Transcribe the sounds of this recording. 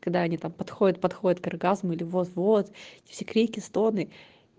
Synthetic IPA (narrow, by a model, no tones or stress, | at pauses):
kɐɡ̚d̪aɐnʲit̪ampɐt̪xodʲət̪̚pɐt̪xodʲət̪kɐrɡazmʊilʲɪvot̪vot̪ɛtʲɪ̥fsʲekɾʲikʲɪst̪o̞nɨ